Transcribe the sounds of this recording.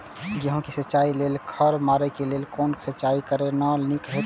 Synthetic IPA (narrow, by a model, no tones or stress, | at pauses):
d͡ʒəɦõkisətːt͡ʃaileːlkʰəɾmaːɾɛkeleːlkoːnsətːt͡ʃaːikəɾenanikɾe